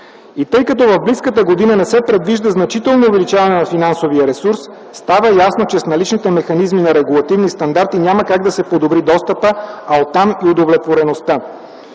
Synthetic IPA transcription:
it̪ɤjkɐt̪ɔvɐvbliskət̪əɡod̪inənɛsɛpɾɛd̪viʒd̪əznɐt͡ʃit̪ɛlˠnoːvɛlit͡ʃavɐnɛnɐfinansovijəɾɛsuɾs | st̪avəjasnot͡ʃɛsnɐlit͡ʃnit̪ɛmɛxɐnizminɐɾɛɡulˠɐt̪ivnist̪ɐnd̪aɾt̪inʲaməkaɡ̚d̪ɐsɛpod̪obɾid̪ɔst̪əpəaot̪ːamiod̪ovlɛt̪voɾɛnost̪ə

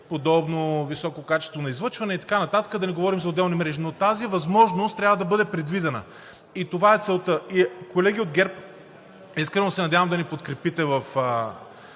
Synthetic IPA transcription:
pod̪ɔbnovisɔkokat͡ʃɛst̪vonɐizvˠɤɾt͡ʃvɐnɛit̪ɐ̥kanɐt̪at̪ə̥kəd̪ɐnɛɡovɔɾimzɐod̪ɛlˠnimɾɛʒinot̪azivɐzmɔʒnost̪ːɾʲavɐd̪ɐbɤd̪ɛpɾɛd̪vid̪ɛnə̰ | it̪ovaɛt̪sɛlˠt̪ɤikolɛɡʲiod̪̚ɡʲɛɾp | iskɾɛnosɛnɐdʲjavɐmd̪ɐnipot̪kɾɛpit̪ɛvɐf

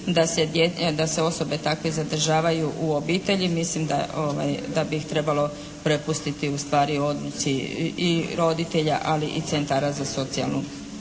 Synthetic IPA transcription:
d̪ased̪jed̪ase̞o̞so̞be̞t̪akʋezad̪r̩ʒaːʋajuʔuobiːt̪e̞ʎimislimd̪a̰oʋa̰jd̪abiixt̪ɾe̞balˠo̞ | pɾepust̪it̪iust̪ʋaːɾio̞d̪lut͡ɕiiɾo̞d̪it̪e̞ʎa̰ʔaliʔit̪se̞nt̪aɾazaso̞t̪sia̰lˠnu

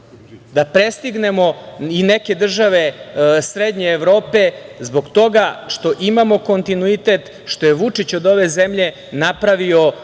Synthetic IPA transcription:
d̪apɾest̪iɡne̞mo̞ineke̞d̪r̩ʒaʋe̞sɾed̪ɲeːʋɾo̞ːpe̞zbo̞ɡt̪o̞ɡaʃt̪o̞ʔimamo̞ko̞nt̪inuit̪et̪ | ʃt̪o̞jeʋut͡ʂit͡ɕo̞d̪o̞ʋe̞zemʎe̞ | napɾaʋio̞

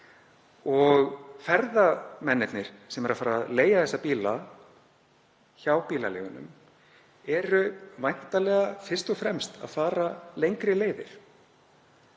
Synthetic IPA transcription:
ɔɣfɛɾðamɛnːɛt̪nɪɾ̥sɛmɛɾaðfaːɾaðleːjaðθɛsːapiːla | çaːwpiːlalḛːɣʏnʏ̰m | ɛɾʏvajn̥t̪alɛːɣafɪr̥st̪ɔfɾɛmst̪a̰ðfaːɾalejŋkɾɪleːjðɪɾ̥

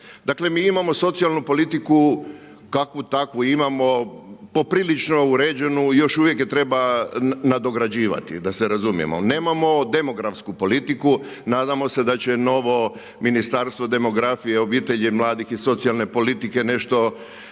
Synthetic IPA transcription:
d̪akle̞miːimamoso̞t̪sialˠnupo̞lit̪iku | kakʋut̪akʋuimamo̞po̞pɾilit͡ʃno̞uɾeːd͡ʑe̞nujo̞ʃuʋje̞kjet̪ɾe̞banad̪o̞ɡɾad͡ʑiːʋa̰t̪ḭd̪aseɾazumḭjḛmo̰ne̞ːmamo̞d̪e̞mo̞ɡɾafskupo̞lit̪iku | naːd̪amo̞se̞d̪at͡ɕe̞no̞ʋo̞ | minist̪aːɾst̪ʋod̪e̞mo̞ɡɾafije̞o̞biːt̪e̞ʎemlˠaːd̪ixiso̞t̪sialne̞po̞lit̪ike̞ne̞ʃt̪o̞

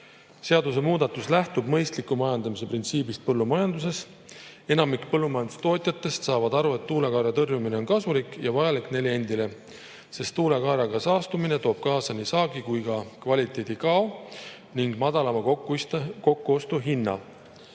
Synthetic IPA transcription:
se̞ɑd̪us̬e̞muːd̪̥ɑt̪ːˑuslæht̪ubmɤ̞jst̪likːˑumɑjɑnd̪̥ɑmise̞print̪siːbist̪̚pɤlːumɑjɑnd̪us̬e̞s | e̞nɑmikpɤlːumɑjɑnd̪̥u̥st̪o̞ːt̪ʲˑjɑt̪ːˑe̞st̪sɑːvɑd̪̥ɑɾue̞t̪ːuːlekɑːɾjɑt̪ɤrjumine̞onkɑsulikːˑjɑvɑjɑlikːˑne̞lie̞nd̪ile̞ | se̞st̪ːuːlekɑːɾjɑɡɑsɑːst̪umine̞t̪o̞ːb̥̚kɑːsɑnisɑːɡikujɡɑkvɑlʲit̪ːˑe̞ːd̪̥ikɑo | niŋɡ̥mɑd̪̥ɑlɑmɑt̪ko̞kːuo̞st̪uɦinːɑ̰

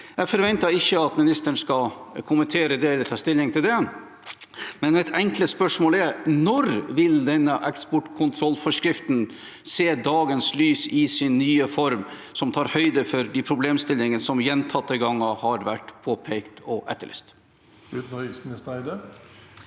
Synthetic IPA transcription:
ɛfɔɾʋɛnt̪ɑɪçːəɑt̪mɪnɪst̪əɳ̩skɑkʰʊmənt̪ʰeːɾəd̪ɛɛləɾt̪ʰɑːst̪ɪlːɪŋt̪ʰɪld̪ɛ | mɛnɛt̪ɛŋkləspœʂmoːlɛɾnɔɾʋɪld̪ɛnːəʔɛkspɔʈkʰʊnt̪ʰɾɔlːfɔʂkɾɪft̪n | seːd̪ɑːɡənslyːsɪsɪnːyːəfɔɾmsɔmt̪ʰɑːɾhœʏd̪əfɔɾd̪ipʰɾʊbleːmst̪ɪlːɪŋənsɔmjɛnt̪ʰɑt̪ːəɡɑŋːɑhɑɾʋæʈːpʰoːpʰeːkt̪ɔʔɛ̰t̪ːəɭʔɛ̰st̪ | ʉt̪n̩hœkɪsmnɪst̪əæɪd̪ə

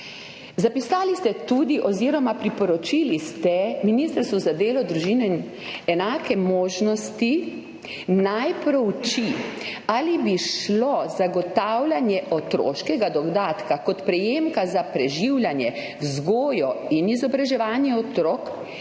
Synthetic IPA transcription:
zapisaːlist̪ɛt̪ud̪iʔɔziːɾɔmapɾipɔɾɔt͡ʃilist̪ɛminist̪əɾst̪ʋuzad̪eːlɔd̪ɾuʒiːnɛin | ɛnaːkɛmoːʒnɔst̪i | najpɾɔwt͡ʃialibiʃlɔzaɡɔt̪awlʲanjɛʔɔt̪ɾo̰ːʃkɛɡad̪ɔɡd̪aːt̪kakɔt̪pɾɛjeːmkazapɾɛʒiwlʲjanjɛ | zɡoːjɔinizɔbɾaʒɛʋaːnjɛɔt̪ɾoːk

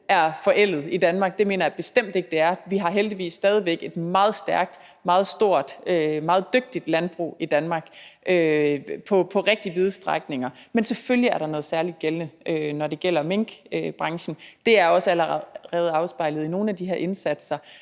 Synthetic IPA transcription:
æɐfɒ̽ʔel̰ð̩ˠid̥ænmɑ̈ːɡ̥̚d̥e̝me̝̰ːnɐjab̥e̝sd̥em̰d̥e̝ɡ̥əd̥e̝æɐʋiɦɑ̈ɦeld̥iʋḭːsːd̥ɛːð̞ˠiʋeɡ̥e̝d̥mɑ̈ːð̞̩ˠsd̥æɐɡ̥̚d̥ | mɑ̈ːð̞̩ˠsd̥o̝ɐ̰d̥ømɑ̈ːð̞̩ˠd̥øɡ̥̚d̥id̥lænb̥ʁṵːid̥ænmɑ̈ːɡ̥ʔøpʰɒ̽pʰɒ̽ʁɛɡ̥̚d̥iəʋið̞̩ˠsd̥ʁaɡ̥ne̝ŋɐmenseføljiæɐɾ̥ɑ̈nɔ̽ːð̞̩ˠsæɐlid̥̚ɡ̥elnəʔønɒde̝ɡ̥el̰ɐmeŋ̰ɡ̥b̥ʁɑ̈ŋɕn̩d̥e̝æɐɒ̽sæləʁɛʁɛːð̞̩ˠɑ̈ʊsb̥ɑ̈ɪ̰ləð̞̩ˠino̝ːn̩æd̥iɦeɐʔe̝nsæd̥sɐ

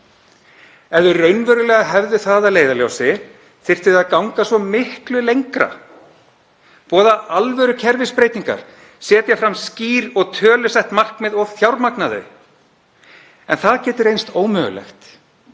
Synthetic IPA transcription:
ɛvðʏrœɥnvœːɾʏlɛːɣaɦɛvðʏθaːðaleːjðaljowsɪ | θɪ̥t̪ɪðaðkawŋkasvɔmɪhklʏlejŋkɾa̰ | pɔːðaalvœɾʏcʰɛɾvɪspɾeːjt̪iŋka̰ɾ̥ | sɛːt̪jafɾamsciːɾɔɣt̪ʰœːlʏsɛht̪mar̥kmɛɪðɔɣθjawɾmaknaðʏ̰ | ɛnθaðcɛːt̪ʏɾejnst̪oːwmœːɣʏ̰lɛ̰xt̪

